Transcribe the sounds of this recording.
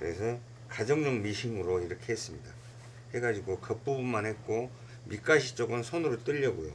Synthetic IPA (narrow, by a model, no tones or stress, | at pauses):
kɯɾe̞sʰʌ | kad͡ʑʌŋɲʌŋmiɕʰimɯɾoiɾʌkʰe̞ɦes͈ɯmɲida | he̞ɡad͡ʑiɡokʌp͈ubunmanhe̞t̚k͈o | mik͈aɕʰit͡ɕ͈ʌɡɯnsʰʌnɯɾot͈ɯʎːʌɡojo